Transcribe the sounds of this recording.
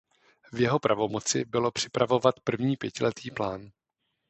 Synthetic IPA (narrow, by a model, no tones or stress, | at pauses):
vjɛɦo̞pɾʔavo̞mo̞t͡sɪ̰bɪlo̞pr̝̥ɪpɾavo̞vat̪pr̩vɲiːpjɛcɪlɛt̪ʰiːplaːn